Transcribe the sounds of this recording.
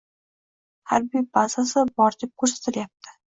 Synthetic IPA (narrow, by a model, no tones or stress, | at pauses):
haɾbibasasɪbɒɾd̪ʰɪp̚kʰɵɾsḁt̪ɪljap̚t̪ʰɪ̥